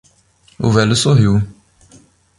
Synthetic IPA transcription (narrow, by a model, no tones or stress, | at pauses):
ʊ̰vɛlʊsoɦiw